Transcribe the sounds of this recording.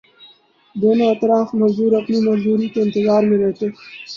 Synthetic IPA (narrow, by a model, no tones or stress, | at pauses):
d̪enoɐt̪ɾaːfmɐzuːɾɐpnimɐzuːɾit̪oɪnt̪ɪzaːɾmẽɾeɦt̪e